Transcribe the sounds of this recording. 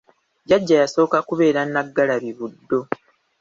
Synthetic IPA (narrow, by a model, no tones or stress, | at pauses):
ɟaɟːajaso̞ːkakuβe̞ːɾanːaɡːalaβiβudːo̞